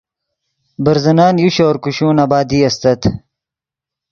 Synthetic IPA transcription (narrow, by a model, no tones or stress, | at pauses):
bɐɾzɐnaːnjuɕoːɾkuɕuːnaːbaːd̪iːɐst̪ɐt̪ʰ